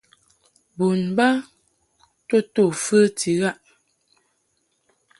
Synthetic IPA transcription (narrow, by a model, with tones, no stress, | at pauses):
bu˨nba˦ | to˦˨to˨fə˦ti˨˦ɣa˦ʔ